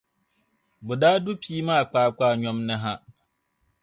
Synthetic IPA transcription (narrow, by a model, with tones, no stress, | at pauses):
bʊ˨daː˦dʊ˦pʰi˦mã˦a˨k͡paː˨˦˨k͡paː˦˨ɲᶣɔ̃˦mnɪ̃˦ɦã˦